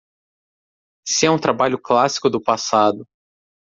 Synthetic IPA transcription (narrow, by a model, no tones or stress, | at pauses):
sɪɛũt̪ɾabaʎʊklasi̥kʊd̪ʊpasad̪ʊ